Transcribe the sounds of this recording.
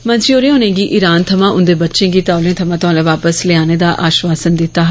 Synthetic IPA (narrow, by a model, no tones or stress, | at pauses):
mənt͡ʃioːɾeːõːnẽːɡiːʔɪɾaːnt̪ʰəmãːʔʊnd̪eːbətːʃẽːɡiːt̪aːʊlẽːt̪ʰəmãːt̪oãlẽːʋaːpəslɪaːneːd̪aːʔaːʃʋaːsənd̪ɪt̪ːaː